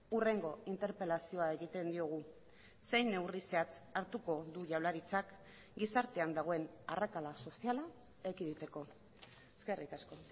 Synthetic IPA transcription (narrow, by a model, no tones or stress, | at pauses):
ure̞ŋɡo̞int̪e̞ɾpe̞lasio̞ae̞ɣit̪e̞nd̪io̞ɣ̞u | se̞jnːe̞wriseat͡saɾt̪uko̞ðuʝawlaɾit͡sak | ɡisaɾt̪e̞and̪aɣo̞e̞na̰rakalaso̞siala | ekiðit̪e̞ko̞ | eske̞rikasko̞